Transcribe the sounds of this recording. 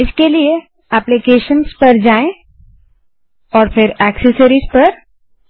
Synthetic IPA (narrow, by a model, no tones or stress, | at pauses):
ɪskelie | ɛplikeːʃənspɐɾd͡ʒaːẽ | ɔːɾfʰɪɾɛːksəsəɾispɐɾ